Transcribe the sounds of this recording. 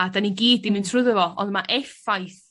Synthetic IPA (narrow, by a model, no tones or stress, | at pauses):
adaninɡiːdɪmɨntʰrʊðəvɔɔ̰nðmaʔɛfajθ